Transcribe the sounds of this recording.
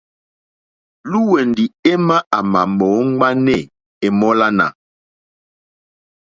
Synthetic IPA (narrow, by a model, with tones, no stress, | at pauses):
lu˦we˨ndi˨e˦ma˦a˨ma˨mɔ˨˦ŋ˦ɡ͡ba˦nɛ˦˨ | e˨mɔ˦la˦na̰˨